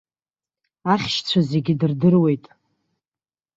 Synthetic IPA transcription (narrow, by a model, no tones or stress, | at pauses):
aχʲʃt͡sʷʰaze̞ɡʲidɨrdɨrwe̞jtʼ